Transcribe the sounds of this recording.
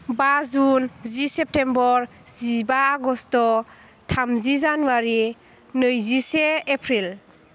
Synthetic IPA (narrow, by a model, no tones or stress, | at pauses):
bazunzisɛp̚tembɔɾ | zibaːɡɔstɔ | tʰamzizanuaɾi | nɯjzisɛːpʰɾil